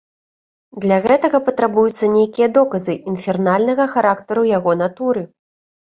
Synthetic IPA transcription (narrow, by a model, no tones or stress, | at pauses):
d̪lʲaɣɛt̪ɐɣɐpɐt̪ɾabujut̪sːɐnʲejkʲijɐd̪ɔkɐzɨʔinfʲɛrnalʲnɐɣɐxaɾakt̪ɐɾujaɣɔn̪at̪uɾɨ